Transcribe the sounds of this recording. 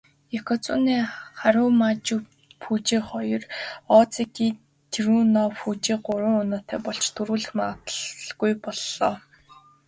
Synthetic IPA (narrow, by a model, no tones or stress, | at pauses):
ekʰɔt͡sʊ̰niːχaɾʊːmat͡ɕu | pʰut͡ɕiːχɔjɞ̆rɔːt͡sikiː | t̪ʰiɾuːnɔːput͡ɕiːɢʊɾʊːŋʊnʊːt̪æːpɔɮt͡ɕt̪ʰɵɾuːɮɘ̆xmaə̆t̪ə̥ɮɡujpɔɮːɔː